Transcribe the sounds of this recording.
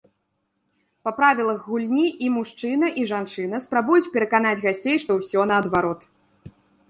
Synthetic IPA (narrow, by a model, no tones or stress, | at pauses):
pɐpɾavʲilˠɐɣɣulʲnʲiʔimuʂt͡ʂɨnɐʔiʐant͡ʂɨnɐspɾabujut͡sʲpʲɛɾɐkanad͡zʲɣasʲt͡sʲejʂt̪ɔwsʲɔnɐːd̪vaɾɔt̪